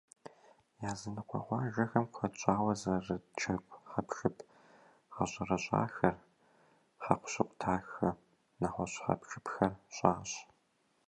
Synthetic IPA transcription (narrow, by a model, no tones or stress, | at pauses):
jaːzɨnɨqʷʰɔ̰ʁʷɑːʒɐxɐmqʷɐt͡ʃʼaːwɐzɐrɨt͡ʃʰɐkʷχɐpʃɨpʰ | ʁɐɕʼɐrɐɕʷʼa̰ːxɐr | χɐqʷʊ̥ɕɪqʷʼtʰaːxɨ | nɐχʷɔɕʼχɐ̰pʃɨpxɐrɕʼaːɕ